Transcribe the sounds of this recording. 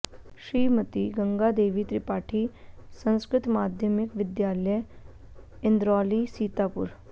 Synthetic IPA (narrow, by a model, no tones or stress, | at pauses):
ɕɾiːmət̪iːɡəŋɡad̪eːʋiːt̪ɾipaːʈʰiːsə̃ñskɾɪt̪maːd̪ʱjəmikʋɪd̪jaːləj | ɪnd̪ɾɔlisiːt̪apṵɾ